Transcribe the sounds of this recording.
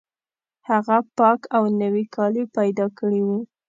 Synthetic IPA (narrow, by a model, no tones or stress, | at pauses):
haɣapɑkawnəwikʰɑlipajd̪ɑkəɽiwu